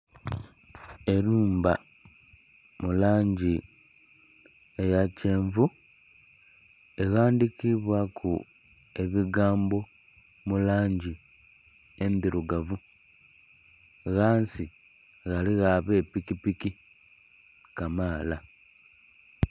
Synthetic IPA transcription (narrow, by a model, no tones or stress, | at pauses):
e̞luːmba | mulaːɲɟi | ejace̞ːɱvu | e̞ɣaːndikiβwakʰu | e̞βiɡaːmbo̞ | mulaːɲɟi | e̞ndiɾuɡavu | ɣaːnsi | ɣaliɣaβe̞ːpikipiki | kamaːla